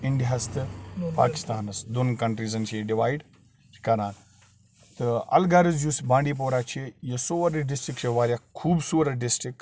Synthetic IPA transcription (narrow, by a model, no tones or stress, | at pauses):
iɳɖijast̪ɨpa̰ːki̥st̪aːnɐsd̪onkɐɳʈɾiːzɐnt͡ʃʰiɖiʋaːiɖ | t͡ʃʰi̥kɐɾaːn | t̪ɨɐ̰lɡaɾɨzd͡ʒusbãːɳɖip̬oːɾat͡ʃʰijesoːʋɐɾɐɖisʈɾikt͡ʃʰeʋaːɾʲjakʰuːbsuːɾɐɖɪsʈɾik